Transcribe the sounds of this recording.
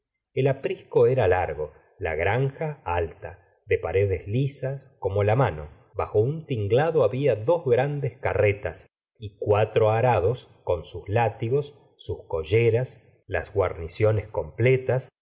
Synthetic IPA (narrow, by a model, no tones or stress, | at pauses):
elapɾihko̞eɾalaɾɣo̞ | la̰ɣɾaŋxaalt̪a | ðepaɾeðezlisasko̞mo̞lamano̰ | βaxo̞unt̪iŋɡlaðoaβiaðo̞zɣɾand̪eskaret̪as | ikwat̪ɾoaɾaðo̞skonsuslat̪iɣo̞sː | usko̞ʒeɾas | la̰zɣwa̰ɾnisjo̞nesko̞mplet̪as